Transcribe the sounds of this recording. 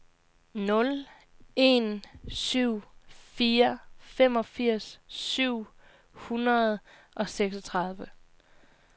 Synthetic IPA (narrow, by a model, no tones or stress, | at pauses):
nɔ̽l | e̝nsyʊ̰fiːɐfem̰ɒ̽fiɐ̰sːyʊ̰ | hunɐð̞̩ˠ | ʔɒ̽seɡ̥sɒt͡sʰʁɑð̞ˠʋə